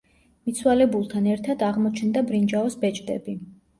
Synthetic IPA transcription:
mit̪sʰwalɛbulˠt̪ʰanɛɾt̪ʰad̪aʁmɔt͡ʃʰnd̪abɾind͡ʒaɔsbɛt͡ʃʼd̪ɛ̰bi

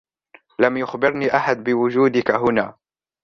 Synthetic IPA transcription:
lamjʊxbɪɾniːʔaħad̪̚bɪwʊd͡ʒuːd̪ɪkaɦʊnaː

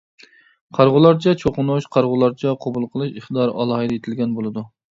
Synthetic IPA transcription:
qʰɑɾʁʊlˠɑɾt͡ʃʰɛt͡ʃʰoqʊnuʃqʰɑɾʁʊlˠɑɾt͡ʃʰɛqʰobulˠqʰəlˠɨʃiχt̪d̪ɑɾʔɑ̰lˠɑhɨd̪ɨjet̪ʰɪlɡʲɛnbolˠɨd̪u

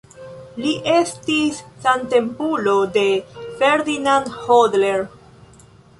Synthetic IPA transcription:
liʔe̞stisːante̞mpulo̞de̞feɾdinandhodleɾ

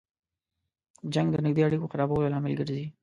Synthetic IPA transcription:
d͡ʒaŋɡd̪ənɪɡ̚d̪eaɽikoxaɾɑbawlalɑmɪlɡəɾzi

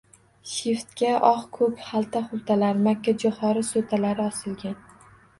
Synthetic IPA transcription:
ʃeft̪kʲaʔɒχkʰɵphalˠt̪ʰaχʊlˠt̪ʰalaɾmakʲʰːad͡ʒʊχɒɾɪsot̪ʰalaɾɪɒsɪlɡʲan

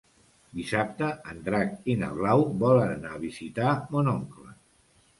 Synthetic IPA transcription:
d̪isap̚t̪əənd̪ɾakinə̰βlawβɔlənnaβizit̪amonɔŋklə

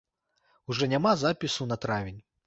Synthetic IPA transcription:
uʐɛnʲamazapʲisunɐt̪ɾavʲinʲ

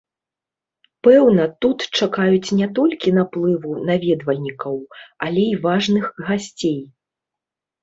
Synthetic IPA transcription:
pɛwnɐt̪ut̪t͡ʂakajut͡sʲnʲɛt̪̬ɔlʲkʲinaplˠɨvunavʲɛd̪vɐlʲnʲikɐwɐlʲɛivaʐnɨxɣasʲt͡sʲej

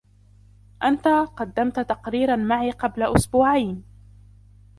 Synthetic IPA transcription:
ʔant̪aqɑd̪ːamt̪t̪ɑqɾiːɾanmaʕiːqɑblaʔʊsbʊːʕajn

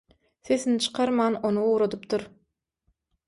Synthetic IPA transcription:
sesint͡ʃʰɯ̥qʰɑɾmɑːnonuuːɾod̪upt̪ʰuɾ

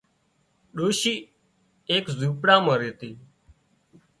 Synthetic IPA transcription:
ɗoːʃiː | eːkzuːpɽãːmãːɾeːt̪iː

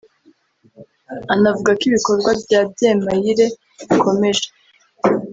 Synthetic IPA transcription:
anavuɡakiβiko̞ɾɡwabɟaːb̚je̞ːmajiɾe̞ | ikʰo̞me̞ʒe̥

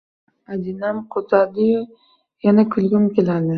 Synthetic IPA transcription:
ad̪ɪnamqʰot̪ʰad̪ɪjʊ | janakʲʰʊlɡʲɪmkʲelad̪ɪ

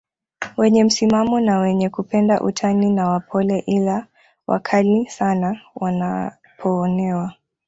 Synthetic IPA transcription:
wɛɲɛm̩simamɔnawɛɲɛkupɛndaʔṵtʰaninawapʰɔlɛʔila | wʔa̰kʰalisanawana̰ | pʰɔːnɛwa

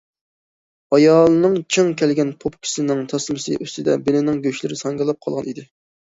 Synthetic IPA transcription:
ɑjɑːlˠɨnɨŋt͡ʃʰɨŋkʲʰɛlɡʲɛnpʰopkʲʰi̥sɪnɪŋt̪ʰɑsmɨsɨ̰ʔøst̪ʰɪd̪ɛbɪlɪnɪŋɡʲøʃlɪɾɪsɑŋɡɑlˠɑp̚qʰɑlˠʁɑnid̪ɪ

